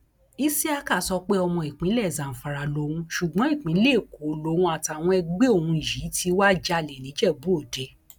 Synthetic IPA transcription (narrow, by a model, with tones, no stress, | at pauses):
i˦si˦a˧ka˦˨sɔ˧k͡pe˦ɔ˧mɔ̃˧i˨k͡pĩ˨˦lɛ˦˨zã˨fa˨ɾa˨lo˨˧˦wũ˦ʃu˨ɡ͡bɔ̃˨˦i˦˨k͡pĩ˨˦le˦˨ko˨˦lo˧˦wũ˧a˨ta˨w̃ɔ̃˧ɛ˧ɡ͡be˦o˦˨wũ˧i˨ji˨˦tʰi˧wa˦d͡ʒa˧˨le˨lĩ˨˦d͡ʒɛ˦˨bu˨˦o˦˨de˨˦